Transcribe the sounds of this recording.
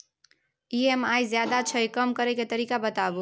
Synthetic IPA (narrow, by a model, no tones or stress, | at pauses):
iemajzjad̪at͡ʃʰəjkəmkəɾɛket̪əɾiːkabət̪abu